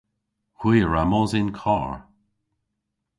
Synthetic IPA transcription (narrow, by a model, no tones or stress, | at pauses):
hwiːɹamɔzɪnkʰɔɹ